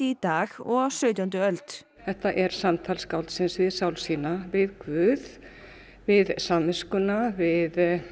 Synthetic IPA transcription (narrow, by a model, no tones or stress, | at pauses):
ɪit̪aːxɔsœɥt̪jant̪ʏœlt̪ | θɛht̪aʔɛɾ̥samt̪ʰalskawlt̪sɪnsvɪðsawlsiːnavɪðkvʏːð | vɪðsammɪskʏnavɪð